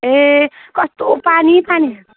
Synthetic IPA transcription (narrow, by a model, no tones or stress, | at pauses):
ekʌst̪opanipani